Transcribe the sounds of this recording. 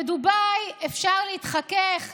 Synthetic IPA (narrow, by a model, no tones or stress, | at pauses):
edubajefʃaʁleit̪χakeχ